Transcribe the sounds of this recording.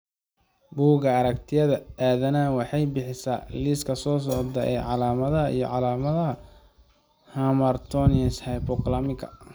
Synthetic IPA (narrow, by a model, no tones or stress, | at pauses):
buːɣɐɐɾɐkt̪ʰɪjɐðɐaːðɐnaːwɑħɑjbɪħɪsaːliːskʰɐsɔːs̬ɔʕd̪ɐʔɛ̰ʕɑlaːmɐðɐɐḭjɞ̰ʕɑlaːmɐðɐɦɐ | hamɐrt̪ʰɔnɛshɐjpɔklɐmɪkʰɐ̰